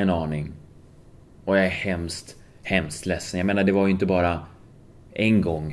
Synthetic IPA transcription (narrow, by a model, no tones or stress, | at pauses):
ɛnɑːnɪŋ | ɔjaæɾhɛmst̪ | hɛmst̪lɛsːənjaɡmeːnaɖɛvaɾjʏɪnt̪̬əbɑːɾa | ʔɛnɡɔŋː